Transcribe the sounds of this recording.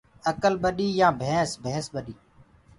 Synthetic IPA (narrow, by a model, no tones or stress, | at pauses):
əkəlɓəɗiːjãːbʱẽːsbʱẽːsɓəɗiː